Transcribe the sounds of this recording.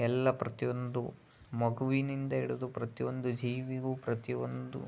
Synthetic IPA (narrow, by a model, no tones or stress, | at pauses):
ɛlːɐpɾɐt̪iond̪u | mɐɡuʋinind̪ɐiɽud̪upɾɐt̪iʋond̪ud͡ʒiːʋiɡuːpɾɐt̪iond̪ṵ